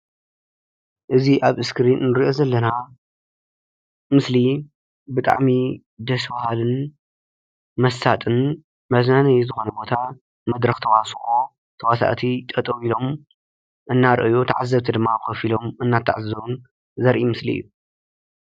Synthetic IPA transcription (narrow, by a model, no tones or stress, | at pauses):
ʔɨziʔaβɨskɾinnɨɾiʔo̞zɐlːɐna | mɨsli | bɨt̪ʼa̰ʕmi | d̪ɐsbahalɨn | mɐsːat̪ʼɨn | mɐznanɐjzɨxo̞nɐbo̞t̪ʰa | mɐd̪ɾɐxt̪ʰɐwasʔo | t̪ʰɐwasa̰ʔt̪ʰit̪ʼɐt̪ʼɨβilo̞m | ʔɨnːaɾʔɨjut̪ʰa̰ʕazːɐβt̪ʰɐd̪ɨmːaxɐfilo̞mʔɨnːat̪ʰa̰ʕazɐβun | zɐɾʔimɨslḭɨ̰jːu